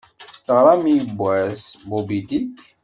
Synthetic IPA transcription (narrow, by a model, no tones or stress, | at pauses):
θəʁɾˤamibʷːæsbubid̪it